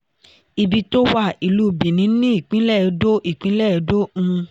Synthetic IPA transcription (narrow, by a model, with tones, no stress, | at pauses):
i˧bi˧to˦wa˦˨i˨lu˦˨bĩ˨nĩ˨˦nĩ˦i˦˨k͡pĩ˦lɛ˦˨˧do˦ʔi˦˨k͡pĩ˦lɛ˦˨˧do˦ũ˧